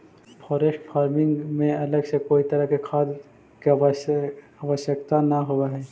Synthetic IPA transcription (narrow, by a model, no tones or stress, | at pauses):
pʰɔːɾeːʃʈfʰaːɾmɪ̃ŋɡmẽɐləɡsekoːit̪ɐɾəkekʰaːd̪ | ke | aʋəʃjəkt̪anɐɦoaɦɛː